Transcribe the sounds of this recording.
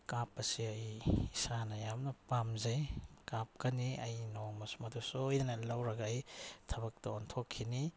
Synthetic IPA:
kapɐsiɐjisɾanɐjamnɐpamzɐjkap̚kɐniɐjnomɐsumɐdusojnɐnɐlɐwɾɐɡɐɐjtʰɐbɐk̚tɐontʰokʰːini

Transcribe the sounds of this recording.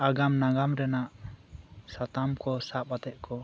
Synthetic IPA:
aɡamnaɡamɾɛnaʔ | sat̪amkɔsapat̪ɛʔkʰɔ

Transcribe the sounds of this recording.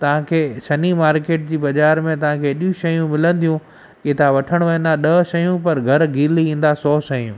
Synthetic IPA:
t̪ɐʋ̤ãkʰeːsɐnimaːɾkeːʈ̚d͡ʑiːbɐd͡ʑaːɾmẽt̪ɐʋ̤ãkʰeːɪɗijũʃɐjũmɪlə̃nd̪ijũ | ket̪ʰaʋɐʈʰəɽ̃ʋɐə̃nd̪aɗɐʃɐjũpɐɾɡʱɐɾɡʱiːliĩːn̆d̪asɔːʃɐjũː

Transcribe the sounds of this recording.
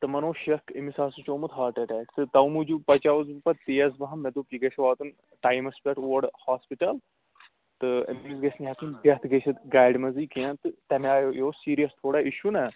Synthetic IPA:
t̪ɨmɐnoːʃɐkʰimisaːsut͡ʃoːmut̪ʰɦaːɾʈɐʈɛːkt̪ɨt̪ɐwmud͡ʒupɐt͡ʃaʋzbpɐt̪eːɐzbɐɦɐmːɛd̪oːpiɡɐʃʰʋaːt̪un | ʈaːjmɐspʲɐʈoːɐɖhaːspiʈɐl | t̪ɨɐ̰muːzɡɐsniɦɐt̪inbʲɐt̪ʰɡeʃʰɐt̪ɡaːɖmɐzikeent̪ɨt̪ɐmaːjojoːsiːɾijɐst̪ʰoːɽaiʃunɐ

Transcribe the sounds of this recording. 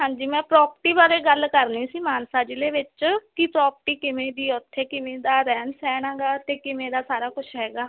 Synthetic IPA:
ɦãːɲd͡ʒiːmɛ̃ːpɾɔːpəʈiːbaːɾeːɡəlkəɾniːsiːmaːnsaːd͡ʒɪleːʋɪt͡ʃkɪpɾaːpʈiːkɪmẽːd̪iːʊt̪ʰːeːkɪmẽːd̪aːɾɛːnsɛːɽãːɡaːt̪eːkɪmeːɾaːsaːɾaːkʊt͡ʃʰɦɛːɡaː

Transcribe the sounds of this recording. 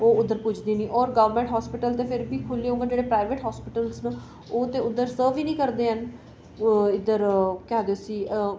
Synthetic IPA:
oːʊd̪ːəɾpʊd͡ʒd̪iːnĩːʔɔːɾɡəʋəɾmẽːɳʈɦɔːspɪʈəlt̪eːpʰɪɾbiːkʰʊliːõŋɡəd͡ʒeːɽeːpɾaːɪʋeːʈɦɔːspɪʈəlsnə | oːt̪ẽːʊd̪əɾsəːʋiːnĩːkəɾd̪eːɦən | ɪd̪əɾkɪaːd̪eːsiː

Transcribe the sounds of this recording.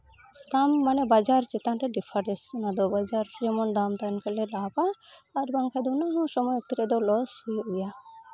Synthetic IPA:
d̪amːanɛbad͡ʒaɾt͡ʃit̪anʈeɖipʰaɾɛsnad̪ɔbad͡ʒaɾd͡ʒɛmɔnd̪amt̪ankalɛlapaːɾbaŋkʰajd̪ɔnaɡɔsɔmɔjek̚t̪iɾɛd̪ɔlɔsiuja

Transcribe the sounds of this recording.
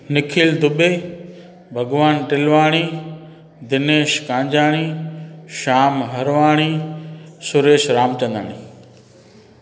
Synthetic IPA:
nɪkʰiːld̪ʱʊɓeː | bʱɐɡʋaːnʈɪlʋaːɽ̃iː | d̪ɪneːʃkãːɲd͡ʑaːɽ̃iːʃaːmɦɐɾʋaːɽ̃iːsʊɾeːʃɾaːmt͡ɕɐ̃nd̪a̰ːɽ̃iː

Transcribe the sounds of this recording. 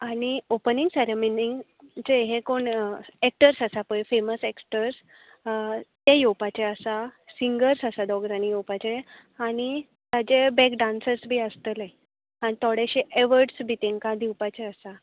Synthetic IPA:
aɽ̃iopəniŋɡseɾeminiŋ | t͡ɕeɦẽkoɳek̚ʈəɾsasapəjfeməseksʈəɾs | t̪jejowpat͡ɕeəsasiŋɡəɾsasad̪ɔɡɾanijowpat͡ɕe | aɽ̃i | t̪ad͡ʑebɛkɖãnsəɾsbʱiəst̪əle | anit̪ʰɔɽeɕeʔeʋəɾɖsbʱit̪ẽŋkad̪iwpat͡ɕeəsa

